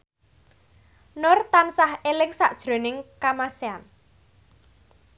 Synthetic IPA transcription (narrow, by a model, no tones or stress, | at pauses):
nʊrt̪ansahelɪŋsaʔd̥ʒ̥ɾo̤nɪŋkamasean